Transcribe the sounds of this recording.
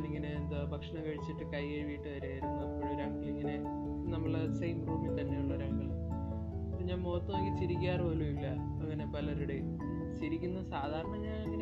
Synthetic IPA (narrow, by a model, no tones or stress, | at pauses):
liŋɡɐnend̪ɨbʱɐkʂɐɳɐʋeːɻit͡ɕːiʈːɨkɐjeɻiʋijiʈːɨʋɐɾaːjɾunːupːoɻʋoɾaːŋɡɐliŋːɐne̞ | nɐmːɐɭsejmruːmit̪ɐnːe̞juɳːɐoɾaːŋɡɐl | ɐpːoɲaːnmo̞ːt̪ːuʋaːŋit͡ɕiɾikʲːaːrpoːlumilːɐ | ɐŋːɐnepɐlɐɾuɽe | nɐmut͡ɕiɾikʲːunːɐðɨsaːd̪ʱaːɾɐɳɐɲaːniŋːɐn